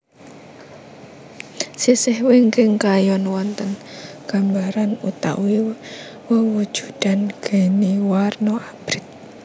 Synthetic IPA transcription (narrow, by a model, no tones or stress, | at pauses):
sisɪhwɪŋkɪŋkajɔnwɔnt̪ənɡ̥a̤mbaɾanut̪a̰ʔwi | wəwud̥ʒ̥ṳd̪̥a̤nɡ̥e̤niwarnɔab̥ɾɪt̪̚